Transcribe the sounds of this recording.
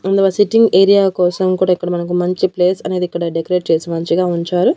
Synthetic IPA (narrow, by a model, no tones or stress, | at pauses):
ɐnd̪ɐʋaːsiʈiŋɡeːɾijaːkɔːsɐmkuːɽaːikːɐɽɐmɐnɐk̬umɐɲt͡ʃipleːsɐne̞ːd̪ikːɐɽɐɖekɐɾe̞ːʈ̚t͡ʃe̞ːsimɐɲt͡ʃiɡaːuɲt͡ʃaːɾu